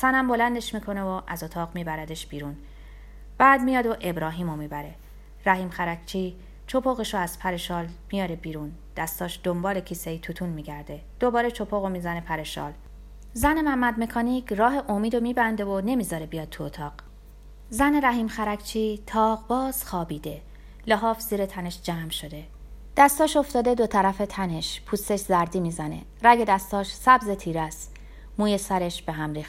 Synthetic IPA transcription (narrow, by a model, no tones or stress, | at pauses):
sænæmbo̞lænd̪e̞ʃmiːkʰo̞ne̞voʔæzo̞t̪ʰɒːʁmiːbæɾæd̪e̞ʃb̥iːɾun | b̥æːd̪mijɒːd̪oʔe̞bɾɒːɦiːmomiːbæɾe̞ | ɾæɦiːmxæɾæcʰt͡ʃʰiː | t͡ʃʰo̞pʰoɣeʃoæz̥pʰæɾe̞ʃɒːlmijɒːɾebiːɾund̪̥æst̪ɒːʃd̪̥ombɒːle̞cʰiseit̪ʰut̪ʰunmiːɟæɾd̪e̞ | d̪̥o̞bɒːɾe̞t͡ʃʰo̞pʰoɣomiːzæne̞pʰæɾe̞ʃɒ̰ːl | zænemæmːæd̪̚me̞kʰɒːniːcʰrɒːɦe̞ʔomiːd̪o̞miːbænd̪e̞vone̞miːzɒːɾebijɒːd̪̚t̪ʰuot̪ʰɒːq | zæne̞ɾæɦiːmxæɾækʰt͡ʃʰiːt̪ʰɒːʁbɒːz̥xɒːbiːd̪e̞ | leɦɒːfz̥iːɾet̪ʰæne̞ʃd͡ʒæːmʃo̞d̪e̞ | d̪̥æst̪ɒːʃo̞ft̪ɒːd̪e̞d̪o̞t̪ʰæɾæfe̞t̪ʰæne̞ʃpʰuːst̪e̞ʃzæɾd̪iːmiːzænḛ | ræɡe̞d̪æst̪ɒːʃsæbzet̪ʰiːɾæs | muːjesæɾeʃb̥e̞ɦæmɾiːxt̪